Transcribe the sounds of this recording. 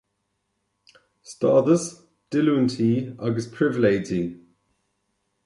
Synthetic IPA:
stɑːðəs | d̥ɪluntʰiːaɡəspʰɹ̥ɪvɪleɪd͡ʒi

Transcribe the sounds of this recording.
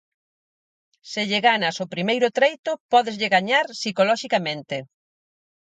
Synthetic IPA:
sɪʎɪɣanasʊpɾimejɾʊt̪ɾejt̪ʊpɔðɪzʎɪɣaɲaɾsikolɔʃikamẽnt̪ɪ

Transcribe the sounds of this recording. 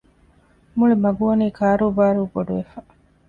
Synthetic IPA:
muɭimɐɡuʋɐniːkaːɾuːbaːɾuːboɖuʋefa

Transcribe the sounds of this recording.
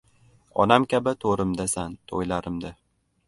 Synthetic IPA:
ɒ̰namkʲʰabɪt̪ʰoɾɪmd̪asant̪ʰojlaɾɪmd̪a

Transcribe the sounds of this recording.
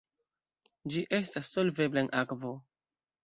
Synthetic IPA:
d͡ʒiʔestasːolveblenʔakvo

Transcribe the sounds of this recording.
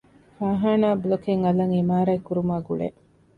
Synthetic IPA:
faːɦaːnaːbulokeŋɐlɐŋimaːɾɐekːuɾumaːɡuɭḛ

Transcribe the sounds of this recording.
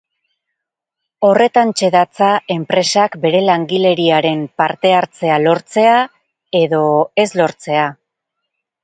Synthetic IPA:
o̞re̞t̪ant͡ʃe̞ðat͡sae̞mpɾe̞sakbe̞ɾe̞laŋɡile̞ɾiaɾe̞mpaɾt̪e̞aɾt͡se̞alo̞ɾt͡se̞a | e̞ðo̞e̞zlo̞ɾt͡se̞a

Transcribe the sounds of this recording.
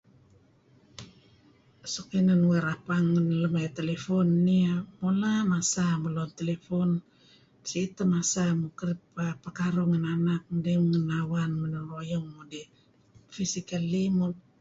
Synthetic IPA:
sokinanweɾapaŋːənləmajt̪elefonːiamolamasamulont̪elefon | siːt̪amasamukəɾipapakaɾoŋənanak̚mdeŋənawanmənəɾojɔŋmode | fisikalimo

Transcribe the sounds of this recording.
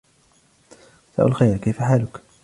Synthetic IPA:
sa̰ːʔʊ̰lxajɾkajfaħaːlʊk

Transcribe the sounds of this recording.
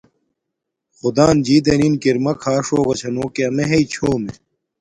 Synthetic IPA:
xud̪aːnd͡ʑiːd̪eninkiɾmɐkʰaːʂoːɣɐt͡ɕʰɐnoːkeɐmeɦeit͡ɕʰoːme

